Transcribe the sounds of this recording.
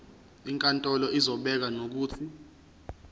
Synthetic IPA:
iŋkʼantʼɔlɔʔizɔɓɛk̬anok̬uːtʰi

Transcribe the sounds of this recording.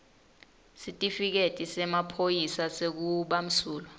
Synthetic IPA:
sitʼifik̬etʼisɛmapʰojisasek̬uɓam̩suːlɔ

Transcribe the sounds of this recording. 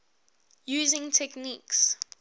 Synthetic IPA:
juːzɪ̃ŋtʰɛkniks

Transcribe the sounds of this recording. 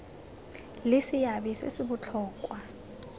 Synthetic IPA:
lɪsɪjabisḛsɪbʊt͡ɬʰɔːkʼwa

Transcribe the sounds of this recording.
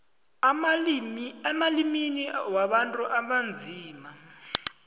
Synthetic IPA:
ɛmaliminiwaɓantʼuʔaɓand͡zʱiːma

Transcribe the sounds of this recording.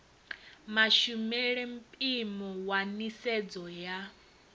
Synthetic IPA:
maʃumɛɺɛm̩pʼimɔwanisɛd͡zɔja

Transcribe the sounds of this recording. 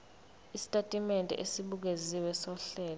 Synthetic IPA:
isi̥tʼatʼimɛntʼɛ̰ʔesiɓuk̬eziwɛsɔɬɛːlɔ

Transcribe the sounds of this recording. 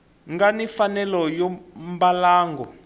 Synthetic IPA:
ŋɡanifanɛlɔjɔmbalaːŋɡɔ

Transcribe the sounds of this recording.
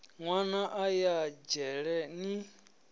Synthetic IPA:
ŋwanaʔajad͡ʒɛɺɛni

